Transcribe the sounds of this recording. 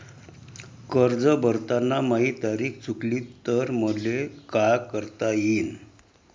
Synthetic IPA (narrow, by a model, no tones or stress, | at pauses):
kəɾd͡zəbəɾt̪anːamaɦit̪aɾiːkʰt͡sʰukliːt̪əɾməlekajkəɾt̪ajiːn